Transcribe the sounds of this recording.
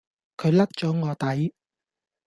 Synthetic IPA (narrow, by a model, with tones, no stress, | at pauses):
kʰɵ˨˧ɥlɐ˥t̚t͡ʃɔː˨˥ŋɔː˨˧t̪ɐ˨˥j